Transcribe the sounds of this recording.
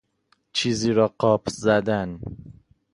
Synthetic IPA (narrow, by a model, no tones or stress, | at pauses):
t͡ʃʰiziɾɒqʰɒpzad̪an